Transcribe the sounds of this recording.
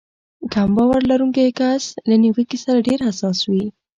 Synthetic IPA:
ɡambawaɾlaɾuŋkajkaslaniwikisaɾaɖeɾhasɑswi

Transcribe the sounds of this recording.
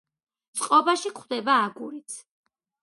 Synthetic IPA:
t̪sʼqʼɔbaʃikʰχd̪ɛbaːɡuɾit̪sʰ

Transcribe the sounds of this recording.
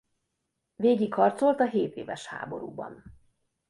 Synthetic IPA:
veːɡikhɒrt̪so̞lt̪ɒɦeːt̪ḛːvɛʃha̰ːboɾuːbɒ̰n

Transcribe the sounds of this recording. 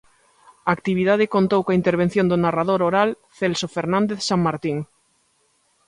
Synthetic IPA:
aːkt̪iβ̞iðað̞ekont̪owkoaint̪eɾβ̞en̟θjõnd̪onarað̞oɾoɾal | θelsofeɾnãnd̪eθsaŋmaɾt̪iŋ

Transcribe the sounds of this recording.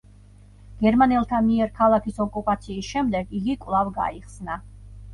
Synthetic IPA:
ɡ̥ɛɾmanɛlˠt̪ʰamiɛɾkʰalˠakʰisɔkʼupʼat̪sʰiːsʃɛmd̪ɛɡiɡikʼwvlˠavɡa̰iχsna

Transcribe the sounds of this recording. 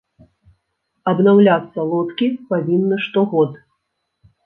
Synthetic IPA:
ɐbnawlʲat̪sːɐlˠɔt̪kʲipavʲinːɐʂt̪ɔɣɔt̪

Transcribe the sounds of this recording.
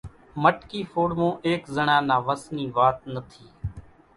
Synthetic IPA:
məʈkiːfoːɽmõːʔeːkzəɳãːnãːʋəsniːʋaːt̪̚nət̪ʰiː

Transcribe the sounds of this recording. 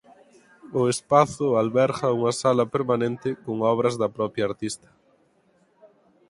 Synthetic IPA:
ʊespaθʊalβɛɾɣɐuŋɐsalɐpeɾmanẽnt̪ɪkoŋɔβ̞ɾɐzðɐpɾɔpjɐːɾt̪ist̪ɐ̥

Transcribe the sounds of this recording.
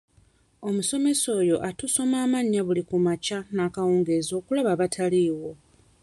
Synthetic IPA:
o̞muso̞me̞so̞ːjo̞̰ʔatuso̞maːmaɲːaβulikumacanakawuːŋɡe̞zo̞ːkulaβaβatʰaliːwo̞

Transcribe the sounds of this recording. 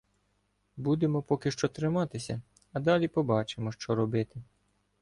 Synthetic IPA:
bud̪emɔpɔkɪʃt͡ʃɔt̪ɾɪmɑt̪ɪsʲɐ | ɐd̪ɑlʲipɔbɑt͡ʃemɔʃt͡ʃɔɾɔbɪt̪ɪ

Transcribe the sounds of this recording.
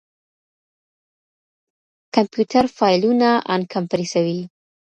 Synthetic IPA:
kampjutaɾfɑjlunaʔa̰nkʰampɾisawi

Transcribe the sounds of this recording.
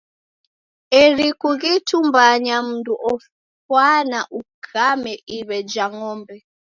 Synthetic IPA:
ɛɾikuɣitumbaɲam̩nduʔɔ | kwanaʔukʰamɛʔiβɛd͡ʒaŋɔːmbɛ

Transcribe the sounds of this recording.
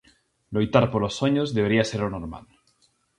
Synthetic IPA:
lojt̪aɾpoɾlosːoɲozðeβeɾiaseɾonoɾma̰l

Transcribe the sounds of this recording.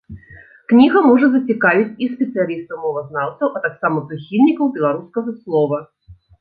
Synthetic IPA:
knʲiɣɐmɔʐɐzɐt͡sʲikavʲit͡sʲispʲɛt̪sɨjalʲist̪ɐwmɔvɐznawt̪ɐwʔɐt̪aksamɐpɾɨxʲilʲnʲikɐwbʲɛlˠaɾuskɐɣɐslˠɔvɐ

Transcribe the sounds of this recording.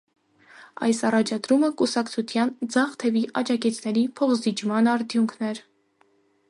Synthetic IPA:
ɑ̰jsɑrɑt͡ʃʰɑd̪ɾuməkusɑkt͡sʰut̪ʰjɑnd͡zɑχt̪ʰɛviʔɑd͡ʒɑkit͡sʰnɛɾipʰɔχzit͡ʃmɑnɑɾt̪ʰjuŋkʰnɛɾ

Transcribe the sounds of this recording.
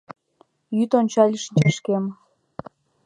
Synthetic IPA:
jyt̪onʲt͡ɕɑlʲəʃnʲt͡ɕeʃkem

